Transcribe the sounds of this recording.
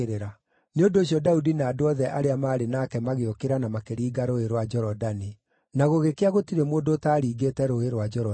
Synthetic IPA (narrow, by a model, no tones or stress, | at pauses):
ɾeɾa | neondoːɕ̬iɔdaudinaːdoɔðɛʔaɾeamaːɾenaːkɛmaɣeɔkeɾanamakeɾiːɡaɾoeɾwad͡ʒɔɾɔdani | naɣoɣekeaɣotiɾemoːdoːtaːɾiːɡetɛɾoeɾwad͡ʒɔɾɔ